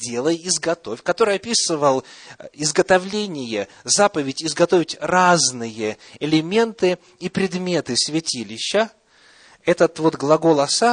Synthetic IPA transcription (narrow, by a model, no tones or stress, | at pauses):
dʲe̞lˠəjɪzɡɐt̪o̞fʲkɐt̪o̞ɾɨjɐpʲisɨvəlˠɪzɡət̪ɐvlʲenʲɪjə | zapəvʲɪtʲɪzɡɐt̪o̞vʲɪtʲraznɨjə | ɪlʲɪmʲe̞nt̪ɨ | ipɾʲɪd̪mʲe̞t̪ɨsvʲɪtʲilʲɪɕːə | ɛt̪ət̪vo̞t̪ɡlˠɐɡolˠɐsa